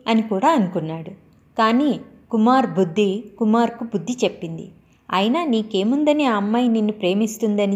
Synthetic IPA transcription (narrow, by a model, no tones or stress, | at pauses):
ɐnikuːɽaːɐnukunːaːɽu | kaːniːkumaːɾbud̪ʱːikumaːɾkubud̪ʱːit͡ʃe̞pːind̪ḭ | ɐ̰jinaniːkeːmund̪ɐneɐmːɐjninːupɾe̞ːmist̪und̪ɐni